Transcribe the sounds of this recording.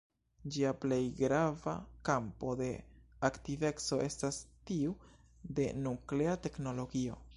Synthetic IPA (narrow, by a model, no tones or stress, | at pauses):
d͡ʒiaplejɡɾava̰kampo̞de̞aktive̞kso̞ʔe̞stastiu | de̞nukle̞ate̞kno̞lo̞ɡio̞